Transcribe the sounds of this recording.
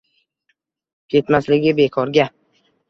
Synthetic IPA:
kʲʰe̞t̪maslɪɡʲɪbe̞kʰɒɾɡʲa

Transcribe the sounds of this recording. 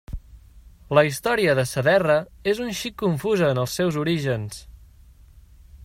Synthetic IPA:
ləist̪ɔɾiəðəsəðɛrəezunʃikːuɱfuzəːnəlˠsːɛwzuɾiʒəns

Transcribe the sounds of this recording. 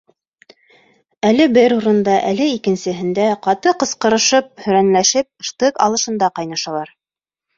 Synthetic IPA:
ælɘbɘɾuɾɤ̆nd̪ɑʔælɘikɘ̆nsɘ̆ɦɘ̆nd̪æqɑt̪ɤqɤ̆sqɤ̆ɾɤ̆ʃɤp̚hɵ̆ɾænlæʃɘp̚ɤ̆ʃt̪ɤkɑ̰lˠɤ̆ʃɤ̆nd̪ɑqɑjnɑʃɑlˠɑɾ

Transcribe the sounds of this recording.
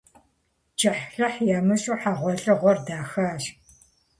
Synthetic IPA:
d͡ʒʼɐħɬɐħjaːmɨɕʼuːħaʁʷɔɬʼɐʁʷɔrdaːxaːʃ

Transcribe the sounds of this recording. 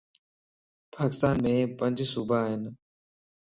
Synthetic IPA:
paːkɪst̪aːnmẽːpənd͡ʒsuːbʱaːɦɪn

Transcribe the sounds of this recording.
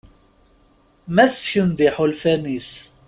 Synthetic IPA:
mæθsçənd̪ɪħolfænis

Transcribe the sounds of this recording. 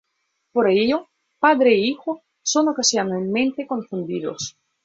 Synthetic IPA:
poɾaeʎo | paðɾeːixo | sonokasjanelmẽnt̪ekõɱfund̪iðo̰s

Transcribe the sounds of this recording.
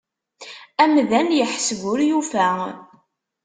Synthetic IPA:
æmðænjəħsɣʊɾjufæ

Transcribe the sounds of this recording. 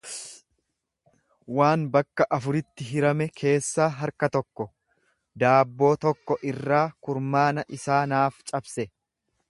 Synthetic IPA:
waːnbɐkːɐʔɐfʊɾɪt̪ːɪɦɪɾɐmɛkʰe̞ːsːaːɦɐɾkɐt̪ɔkːɔ | d̪aːbːo̞ːt̪ɔkːɔʔɪrːaːkʊɾmaːnɐʔɪsaːnaːft͡ʃʼɐbsɛ

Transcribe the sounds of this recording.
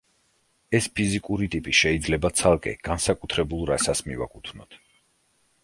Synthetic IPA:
ɛspʰizikʼuɾit̪ʼipʼiʃɛid̪zlɛbat̪sʰalˠkʼɛ̰ɡ̥ansakʼut̪ʰɾɛbulˠɾasasmiva̰kʼut̪ʰvnɔt̪ʰ

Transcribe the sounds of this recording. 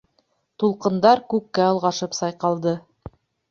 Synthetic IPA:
t̪ulˠqɤ̆nd̪ɑɾkʉkːæɤ̆lˠʁɑʃɤpsɑjqɑlˠd̪ɤ

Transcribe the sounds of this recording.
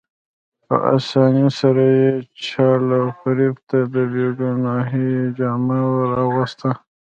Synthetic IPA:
pə̰ʔa̰sɑːnjosaɾajet͡ʃʰɑlawfaɾibt̪ad̪əbeɡunɑɦid͡ʒɑːmawəɾɑɣəst̪a

